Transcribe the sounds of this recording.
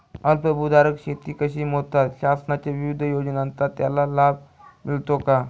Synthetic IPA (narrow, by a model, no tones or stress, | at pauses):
əlpəbud̪aɾəkɕet̪iːkəɕiːmot̪at̪ɕasənat͡ɕeʋiʋid̪ʱjod͡ʑnant̪at̪ːjalalab | milt̪oka